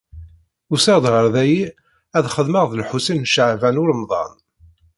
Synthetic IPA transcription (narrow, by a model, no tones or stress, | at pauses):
ʊsəʁd̪ʁəɾðæji | æðχəðməʁðəlħusinːʃəʕvænʊɾəmðˤɑ̰n